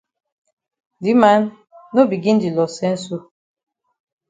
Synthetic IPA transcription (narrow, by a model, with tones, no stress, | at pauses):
di˨˦ma˦nː | o˦bi˨ɡĩ˦n˦di˨lɔ˨sɛ̃˦n̩˦s̬o˦